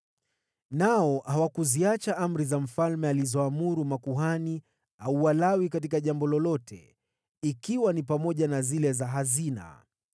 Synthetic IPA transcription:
naɔhawakuziat͡ʃaʔam̩ɾizam̩falmɛalizɔamuɾumakuɦani | auwalawikat̬ikaʄambɔlɔlɔtʰɛ̰ | ikiwanipamɔʄanazilɛzaɦazina̰

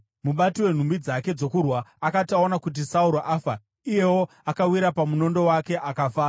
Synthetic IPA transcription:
muɓatiwe̞n̤umbid͡zake̞d͡zo̞kurwaakatao̞nakut̬isauɾoʔaːfa | ije̞wo̞ | akawiɾapamuno̞ndo̞wake̞ʔakafaː

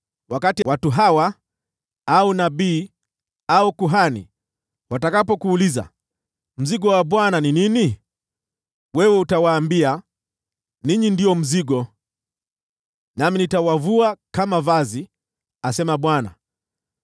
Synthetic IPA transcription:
wakatiwatuɦawa | aunaɓiː | aukuɦanḭ | watakapɔkuːliza̰ | m̩ziɠɔwaɓwananinini | wɛwɛutawaːmbia | niɲindiɔm̩ziɠɔ | naminitawavuakamavazi | asɛmaɓwana̰

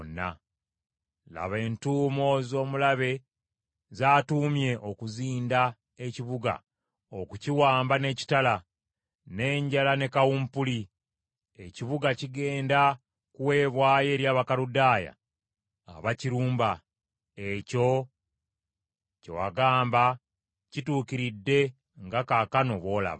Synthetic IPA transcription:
nːa̰ | la̰βe̞ːntuːmo̞zo̞ːmulaβe̞ | zaːtuːmje̞ʔo̞kuziːnda | e̞ciβuɡa̰ | okuciwaːmbane̞ːci̥tala | ne̞ːɲɟalane̞kawumpuli | e̞ciβuɡaciɡe̞ːnda | kuwe̞ːβwaːje̞ːɾjaːβakaɾudaːja̰ | a̰βaciɾuːmba | eco̞ | co̰wa̰ɡaːmba | cituːkiɾidːe̞ | ŋɡakakano̞βo̞ːla̰βa

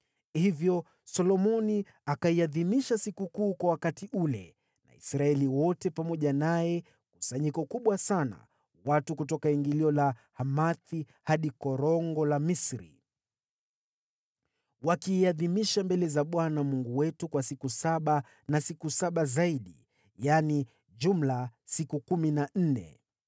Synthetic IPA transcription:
hivjɔ | sɔlɔmɔni | akaiaðimiʃasikukuːkwawakatiʔulɛ | na̰ḭsɾaɛliwɔtɛpamɔʄanajɛ | ku̥saɲikɔkuɓwasana̰ | watukutɔkaiŋɡiliɔlahamaθi | haɗikɔɾɔŋɡɔlamisɾḭ | wakiːaðimiʃambɛlɛzaɓwanamuŋɡuwɛtukwasikusaɓa | nasikusaɓazaiɗḭ | jani | ʄum̩lasikukuminan̩nɛ̰

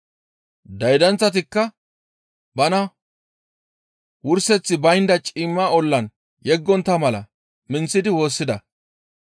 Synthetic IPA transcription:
d̪ɐjd̪ɐnt͡sːɐt̪̬ɪkːɐ | bɐnɐ | wʊɾsɛt͡sːɪbɐjnd̪ɐt͡ʃʼɪmːaːɔlːɐn | jɛɡːɔnt̪ːɐmɐlɐ̰ | mɪnt͡sːɪd̪ɪwo̞ːsːɪd̪ɐ

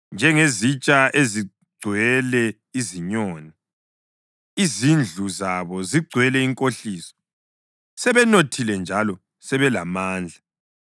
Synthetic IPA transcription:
nd͡ʒʱɛŋezit͡ʃʼaʔezi | ɡ͡ǀʱwɛlɛ | iziɲɔːni | izind͡ɮʱuzaβɔziɡ͡ǀʱwɛlɛiŋkʼoɬiːsɔ̥ | sɛβɛnotʰilɛnd͡ʒʱalɔ | sɛβɛlamaːnd͡ɮʱa

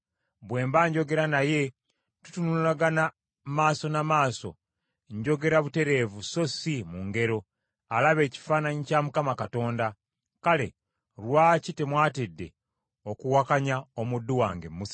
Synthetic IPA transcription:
bwe̞ːmbaɲɟo̞ɡe̞ɾanaje̞ | tu̥tunuulaɡana | maːso̞namaːso̞̰ | ɲɟo̞ɡe̞ɾaβute̞ɾe̞vuso̞simuŋɡe̞ɾo̞ | alaβe̞ːci̥faːnaɲicamukamakato̞ːnda | kale̞̰ | ɾwaːcitemwaːtidːe̞ | okuwakaɲao̞mudːuwa̰ːŋɡemːusa

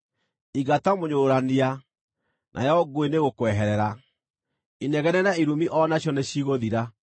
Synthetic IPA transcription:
iɡatamoɲoːɾania | nʔa̰jɔɡweneɣokwɛɦɛɾɛɾa | inɛɣɛɾɛnaiɾumiʔɔnaɕjɔneɕiɣoðiɾa

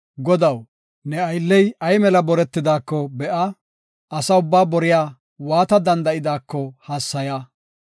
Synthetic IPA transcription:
ɡɔd̪ɐw | nɛɐjlːɛjɐjmɛlɐbɔɾɛt̪ːɪd̪aːkːɔbɛʔɐ | ɐsɐʊbːaːbɔɾɪjaː | waːt̪ɐd̪ɐnd̪ɐʔɪd̪aːkːɔhaːsːɐja

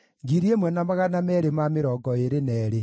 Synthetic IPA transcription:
ɡiɾiemwɛnamaɣanamɛɾemameɾɔɡɔeɾenɛːɾe

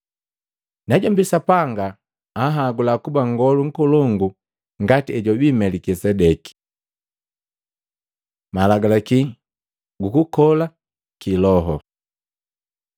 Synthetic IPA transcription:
naɟambisapaŋɡaː | ɦaɡulakubaŋɡɔluŋ̩kɔlɔŋɡu | ŋɡatiɛɟɔbimɛlikisɛdɛki̥ | malaɡalaki | ɡukukɔla | kilɔɦɔ

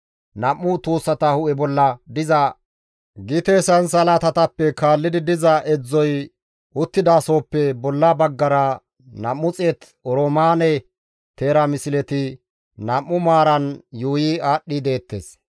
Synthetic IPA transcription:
nɐmːʊt̪oːsːɐt̪ɐhʊʔɛbɔlːɐd̪ɪzɐ | ɡɪt̪esɐnsɐlɐt̪ɐt̪ɐpːɛkaːlːɪd̪ɪd̪ɪzɐʔɛd͡zːɔj | ʊt̪ːɪd̪aːso̞ːpːɛbɔlːɐbɐɡːɐɾɐ | nɐmːʊt͡sʼet̪ | ɔɾomaːnɛ | t̪eːɾɐmɪsɪlɛt̪ɪ | nɐmːʊmaːɾɐnjuːjiaːɗːid̪e̞ːt̪ːḛːs

